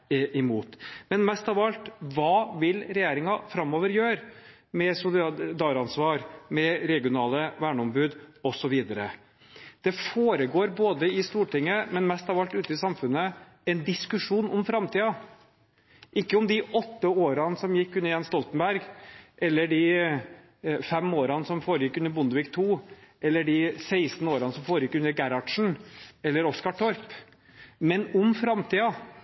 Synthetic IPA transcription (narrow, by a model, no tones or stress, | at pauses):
ɪmuːt̪mɛnmɛst̪ɑʋɑlt̪ʋɑːʋɪlɾɛjeːɾɪŋɑfɾɑmoːʋəɾjøːɾ | mɛsʊd̪ɑːɾɑnsʋɑːɾmɛɾɛɡɪʊnɑːləʋæːɳɔmbʉːd̪ɔsɔʋiːd̪əɾə | d̪̥ɛfoːɾəɡoːɾboːd̪əɪst̪uːʈɪŋːəmɛnmɛst̪ɑʋɑlt̪ʉːt̪əɪsɑmfʉnːə | ɛnd̪ɪskʉʂuːnɔmfɾɑmt̪iːɑ | ʔɪkːəʊmd̪ɪʔɔt̪ːəoːɾɑnsɔmjɪkːʉnːəɾjɛnst̪ɔlt̪ənbæɾɡʔɛlːəɖɪ | fɛmoːɾɑnsɔmfoːɾəjɪkːʉnːəɾbʊnd̪əʋɪkt̪ʰuːʔɛlːəɖɪsæɪst̪noːɾɑnəsɔmfoːɾəjɪkːʉnːəɾɡæɾɑɖʂɳ̩ɛlːəɾɔskɑʈʰɔɾp | mɛnʊmfɾɑmt̪ʰiːɑ